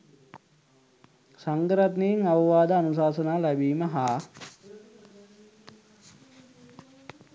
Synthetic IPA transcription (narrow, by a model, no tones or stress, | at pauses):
saŋɡɾat̪neiŋaʋɐʋaːd̪əanus̬aːsənaːlæbiːməɦaː